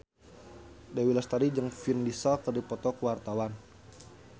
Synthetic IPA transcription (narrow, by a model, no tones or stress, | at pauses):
dawilast̪adid͡ʒəŋfindisalkərdipɔt̪ɔkəwart̪awan